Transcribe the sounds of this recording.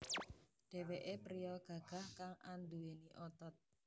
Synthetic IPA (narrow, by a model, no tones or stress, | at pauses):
ɖ̥e̤weʔepɾijɔɡ̥ä̤ɡ̥a̤hkaŋʔand̪ueniʔɔt̪ɔt̪̚